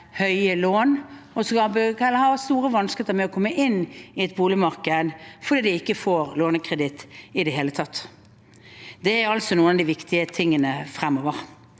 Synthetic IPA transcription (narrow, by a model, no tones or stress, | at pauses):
hœʏəloːnɔskɑbɡɛlːəhɑːst̪uːɾəʋɑnskeːt̪əmɛɔkʰɔmːəʔɪnːɪɛt̪̚buːlɪmɑɾkəd̪fɔɾd̪iːd̪ɪɪkːəfoːɾloːnəkʰɾɛd̪ɪt̪ːɪd̪ɛɦeːlət̪ʰɑt̪ː | d̪ɛæɾɑlsɔnuːənɑd̪iɪʋɪkt̪ʰɪət̪ʰɪŋːənəfɾɛmoːʋəɾ